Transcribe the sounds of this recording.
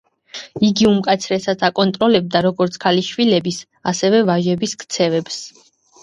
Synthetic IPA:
iɡiumkʼat̪sʰɾɛsat̪sʰakʼɔnt̪ʼɾɔlɛb̚d̪aɾɔɡɔɾt̪sʰkʰaliʃvilɛbis | asɛvɛvaʒɛbiskʰʼt̪sʰɛvɛps

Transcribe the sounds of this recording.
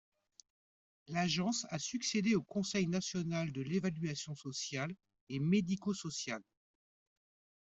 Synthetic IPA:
laʒɑ̃sasyksed̪eokɔ̃sɛjnasjɔnald̪əlevalɥasjɔ̃sɔsjal | emed̪ikosɔsjal

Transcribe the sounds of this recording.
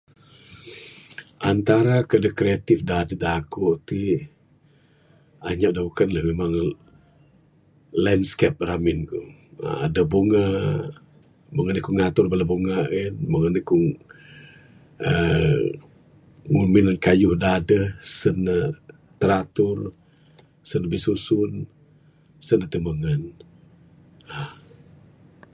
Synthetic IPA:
ʔant̪aɾakədəkɾiat̪ɪfdadədakoʔt̪i | aɲaʔdabukanləhmemaŋ | landskap̚ramɪnku | ə̰adəbuŋa | məŋanəkuŋat̪ʊrbəlabuŋainbəŋənikuŋ | ə | ŋumɪnankajʊhdaadəhsənə | t̪əɾat̪ʊr | sənəbihsusʊn | sənət̪əməŋən | a

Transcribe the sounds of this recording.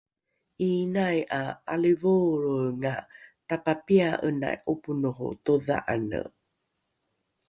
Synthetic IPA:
ʔinajʔaalivuɾuŋatapapiaʔəna̰jʔupunuχṵtuða̰ʔanə̰

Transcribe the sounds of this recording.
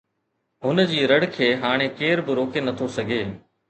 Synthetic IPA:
ɦʊnəd͡ʑiːɾɐɽkʰeːɦaːɽ̃ekeːɾbɪɾoːkenɐt̪ʰosɐɡʱeː

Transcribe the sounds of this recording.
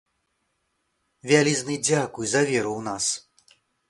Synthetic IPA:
vʲalʲiznɨd͡zʲakujzɐvʲɛɾuwnas

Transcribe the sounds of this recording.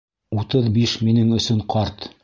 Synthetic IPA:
ut̪ɤðbiʃminɘŋɵ̆sɵɴqɑɾt̪

